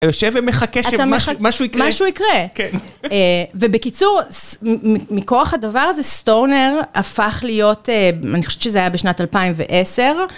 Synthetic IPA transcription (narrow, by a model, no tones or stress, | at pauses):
joʃevemeχakeʃatameaamaʃuikmaʃuikʁeken | vebekit͡suʁsmiimiko̞aχadavaʁazestoʁneʁafaχlijo̞teanixo̥e̥t͡ʃʃezeajabeʃnatalpaimvḛʔeseʁ